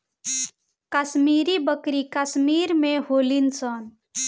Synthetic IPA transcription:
kəsmiːɾibəkɾikəsmiːɾmẽɦoːlinsən

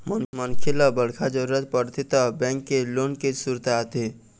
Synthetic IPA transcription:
mənmənkʰeləbəɽ̤kʰad͡ʒəɾuɾət̪̚pəɾt̪ʰit̪əbɛ̃ŋkːelonkesuɾt̪at̪i

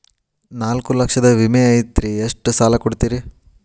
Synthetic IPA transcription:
naːlkulɐkʂɐd̪ɐʋimeɐjt̪ɾieʂʈsaːlɐkoɽt̪iːɾi

